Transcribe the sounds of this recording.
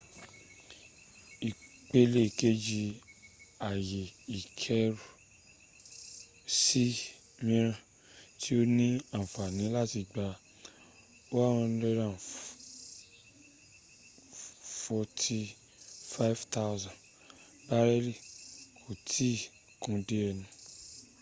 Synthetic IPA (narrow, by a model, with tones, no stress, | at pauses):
i˨k͡pe˦le˦˨ke˦d͡ʒi˧ | a˨je˨i˨kʰɛ˦ɾu˨ | si˦ | mĩ˧˦ɾ̃ã˧ | tʰi˦o˦nĩ˦ã˨fa˨nĩ˨˦la˦ti˧ɡ͡ba˧ | o˦wa˦ɔ̃˧n˦dɛ˧dã˨ | fɔ˧tʰi˧ | fa˦i˦vta˦wzã˨ | ba˦ɾɛ˦li˦˨kʰo˨tʰi˦ | kũ˧de˦ɾɛ˧nũ˧